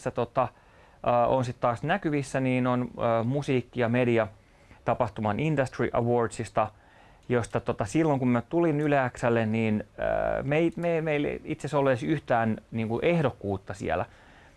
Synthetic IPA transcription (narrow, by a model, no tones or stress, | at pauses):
sːæt̪ot̪ɑ | ʔːʔonsit̪t̪ɑːsnækyʋisːæniːnonøːmusiːkːijɑmediɑ | t̪ɑpɑht̪umɑnindɑst̪rḭʔɑʋoːrdsist̪ɑ | jost̪ɑt̪ot̪ɑsilːoŋkummæt̪ulinylæːksælːenniːn̰meimemeil̰it̪sesolːeːsyht̪æːnniːŋkuʔehɾokːuːt̪ːɑsḭḛlæ̰